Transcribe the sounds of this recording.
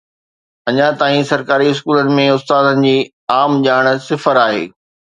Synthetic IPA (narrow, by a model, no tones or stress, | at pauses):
ɐɲãt̪aːĩsɐɾkaːɾiɪskuːlənɪ̆mẽʊst̪aːd̪ənɪ̆d͡ʑiː | aːmʄaːɽ̃sɪfəɾaːɦḛː